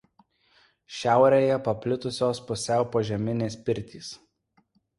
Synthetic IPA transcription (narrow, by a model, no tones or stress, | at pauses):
ʃʲæˑʊɾʲeːjɛpɐpʲlʲɪt̪ʊsʲoːspʊsʲɛˑʊpoːʒʲɛmʲɪnʲeːspʲɪɾʲt̪ʲiːs